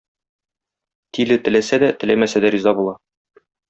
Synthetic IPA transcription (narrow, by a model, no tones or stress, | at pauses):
t̪ʰilɘt̪ɘ̆læsæd̪æt̪ɘ̆læmæsæd̪æɾizɑbulˠɑ